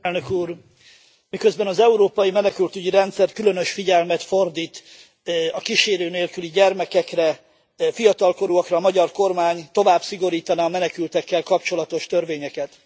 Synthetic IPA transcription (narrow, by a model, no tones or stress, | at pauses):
lnøkuːr | mikø̞zbɛnɒzɛuɾoːpɒjimɛnɛkylt̪yɟiɾɛnt̪sɛrt̪kylø̞nø̞ʃfiɟɛlmɛt̪fo̞rd̪iːt̪ | ɒkiʃeːɾøːneːlkyliɟɛrmɛkɛkrɛ | fijɒt̪ɒlko̞ɾuɒkrɒːmɒɟɒrko̞rmaːɲt̪o̞vaːbsiɡo̞ɾiːt̪ɒnɒːmɛnɛkylt̪ɛkːɛlkɒpt͡ʃo̞lɒt̪o̞ʃt̪ørveːɲɛkɛt̪